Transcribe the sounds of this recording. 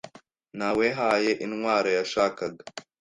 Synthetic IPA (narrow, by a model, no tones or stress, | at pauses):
nawe̞ɦaje̞ʔinŋwaːɾajaʃaːkaɡa